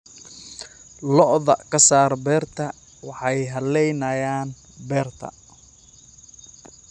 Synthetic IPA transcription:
lɔʔðɐkʰɐsaːrbɛːrt̪ʰɐ | wɑħɑjɦɐlɛjnɐjaːn | bɛːrt̪ʰɐ̰

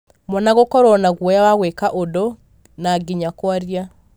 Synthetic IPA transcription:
mɔnaɣokɔɾɔnaɣwɔjawaɣwekaʔodɔ | naɡiɲakwaɾja

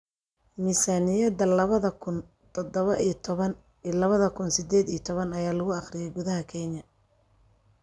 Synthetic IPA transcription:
mɪsaːnɪjɐd̪ɐlɐβɐðɐkʰʊn | t̪ʰɔd̪ɔβɐʔit̪ʰβɐn | ilɐβɐðɐkʰʊnsɪd̪ɛːd̪iːt̪ʰɔβɐnɐjaːlɐɣʊɑχrɪjɛjɡʊðɐɦɐkʰɛɲɐ

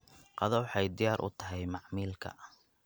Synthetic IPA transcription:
qɑðɔwħɑjd̪ɪjaːɾʔʊ̰t̪ʰɐɦɛjmɑʕmiːlkʰɐ̰

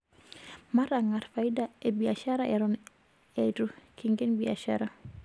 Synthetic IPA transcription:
maɾaŋarfaidaebiaʃaɾaʔɛɾɔn | ɛtukiŋɡenbia̰ʃa̰ɾa

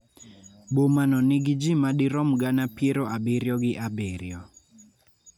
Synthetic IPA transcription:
bomanɔnɪɡɪd͡ʒimaɗɪɾɔmɡanapjeɾoabeɾjɔɡɪʔabeɾjɔ

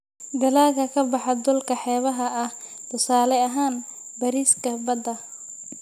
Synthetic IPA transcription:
ɡɐlaːɣɐkʰɐbɑħɑd̪ʊlkʰɐħɛːβɐɦɐʔɐh | t̪ʰʊsaːlɛɐɦaːn | bɐɾiːskʰɐbɐd̪ɐ

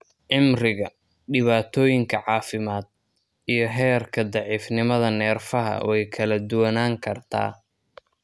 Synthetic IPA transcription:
ʕɪmrɪɣɐ | ɖɪβaːt̪ʰɔːjɪŋkʰɐʕɑːfɪmaːd̪̚ | ijɞɦɛːrkʰɐd̪ɑʕiːfnɪmɐðɐnɛːrfɐɦɐ̰wɛjkʰɐlɐd̪ʊwɐnaːŋkʰɐrt̪ʰa̰ː

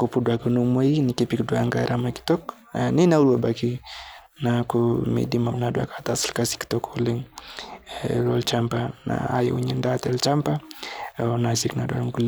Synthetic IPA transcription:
kupudwakanumwainikipikdwaŋɡaɾʔamaki̥tɔk | ninaulwabaki | nakumḛdimanadwa̰kat̪asilkasi̥ki̥tɔkɔliŋ | lɔlt͡ʃampana̰a̰ja̰uɲindatɛlt͡ʃampa | nasiknadwa̰ŋɡul

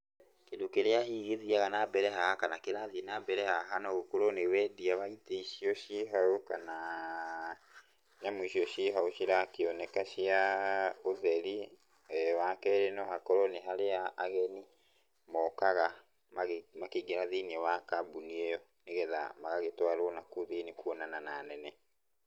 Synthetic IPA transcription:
kendokeɾeahiɣeðiaɣanabɛɾɛɦahakanakeɾaðienabɛɾɛhaɦanɔɣokoɾɔnewɛdiaβaiteiʃiɔʃiɦaokana | ɲamoiʃiɔʃiɦaoʃiɾakeɔnɛkaʃiaoðɛɾi | wakɛɾenɔhakɔɾɔneɦaleaːɣɛni | mɔkaɣa | mamakeɡeɾaðiniɛwakabuniɛjɔ | neɣɛða̰maɣaɣetwaɾoɔnakuðenikuɔnanananɛnɛ

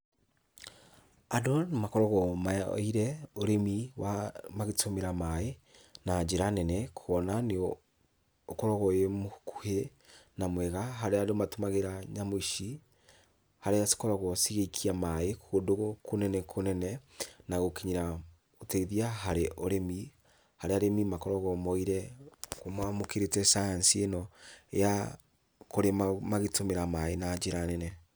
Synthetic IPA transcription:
adonemakoɾoɣɔmao̰iɾɛoɾemiwamaɣetomeɾamae | nad͡ʒeɾanɛnɛkʰoɔnaneː | koɾoɣojemokʰu̥henamwɛɣaɦaɾeadomatomaɣeɾaɲamoiʃi | haɾeasi̥koɾɔɣosiɣekʰiamaekodoɣokonɛnɛkʰonɛnɛnaɣokiɲiɾa | oteiðiaɦaɾeʔoɾemi | haɾeaɾemimakɔɾɔɣɔmɔiɾɛkomwamokeɾetɛsajansienɔeja | koɾemamaɣetomeɾamaenad͡ʒeɾanɛnɛ

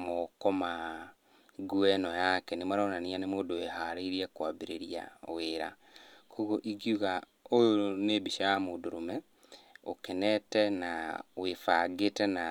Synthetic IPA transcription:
mokɔma | ɡuɛnɔjakɛnemaɾaonanianemoːdoehaɾeiɾiɛkwabiɾeɾia̰weɾa̰ | kʰoɣoʔiɡijuɣa | ojonebiʃajamodoɾomɛ | o̰kɛnɛtɛnawefaɡetɛna

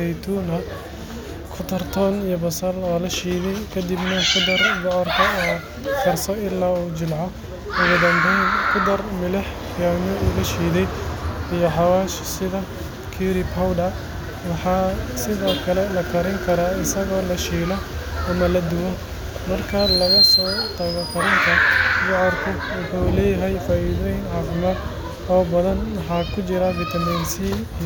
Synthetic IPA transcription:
ɛjt̪ʰuːnɐ | kʰʊt̪ʰɐrt̪ʰɔːnijɔbɐsɐlɔːlɐʃiːðɛjkʰɐd̪ibnɐkʊd̪ɐrbɔʕɔrkʰɐɔː | fɪrsɔɪlːaːuːt͡ʃɪlʕɔ | ʊɣʊd̪ɐmbɛnkʰʊd̪ɐrmɪlɪħ | jaːmɔulɐʃiːðɛjijɔħɑwaːʃsɪðɐ | kʰiɾɪbhɐwdɐ | wɑħɑːsɪðɔːkʰɐlɛlɐkʰɐɾɪŋkʰɐɾaːɪsɐɣɔːlɐʃiːlɔɐmɐlɐd̪ʊwɔ | mɐrkʰɐlɐɣɐsɔːt̪ʰɐɣɔkʰɐɾɪŋk̪ʰɐɡɑʕɐrkʰʊ | wʊħulɛːjɐɦɛjfaːʔiːðɔjnʕɑfɪmɐd̪ | ɔːbɐðɐnwɑħɑːkʰʊt͡ʃɪɾɐfɪt̪ʰɐminsi

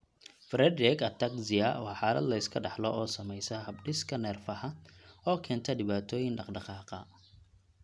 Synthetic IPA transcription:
fɾɛd̪ɾɛkɐt̪ʰːɐksɪɐwɑħɑːlɐd̪lɐɪskʰɐɖɑħlɔɔːsɐmɛjsɐhɐbɖɪskʰɐnɛːrfɐħɐɔːkʰɛːnt̪ʰɐɖɪβaːt̪ʰɔːjɪŋɖɑqɖɑqɑːqɑ̰

